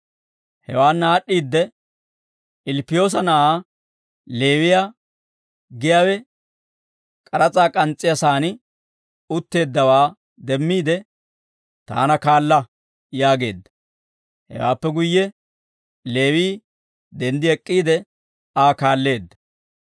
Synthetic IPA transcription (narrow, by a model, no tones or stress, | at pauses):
hɛ̰waːnːaːɗːiːd̪ːɛ | ɪlpːɪjo̞ːs̬ɐnɐʔaː | le̞ːwɪja | ɡɪjaːwɛ | kʼɐɾɐt͡sʼaːkʼɐnt͡sʼːɪjɐsaːnɪ | ʊt̪ːe̞ːd̪ːɐwaː | d̪ɛmːiːd̪ɛ | t̪a̰ːnɐkaːlːɐ | jaːɡe̞̰ːd̪ːɐ̥ | hɛ̰wa̰ːpːɛɡʊjːɛ | le̞ːwiː | d̪ɛnd̪ɪɛkʼːiːd̪ɛ | aːkaːlːe̞ːd̪ːɐ̥